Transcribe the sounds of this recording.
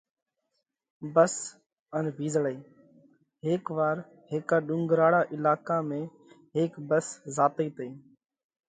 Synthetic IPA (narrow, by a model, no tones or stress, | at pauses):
bəs | ənʋʱiːzɽəiː | ɦeːkʋaːɾ | heːkaːɗʊ̃ŋɡɾaːɽaːʔɪlaːkaːmẽː | ɦeːkbəszaːt̪eiːt̪iː